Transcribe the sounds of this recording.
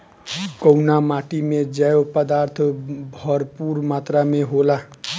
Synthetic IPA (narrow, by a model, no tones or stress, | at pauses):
kɔwnamaʈimed͡ʒajopəd̪aɾt̪ʰbʱʌɾpuɾmat̪ɾameɦola